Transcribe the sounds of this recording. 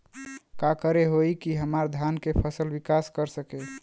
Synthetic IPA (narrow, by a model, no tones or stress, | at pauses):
kakəɾeɦojkiɦəmaɾd̪ʱjankepʰəsəlbikaskəɾsəke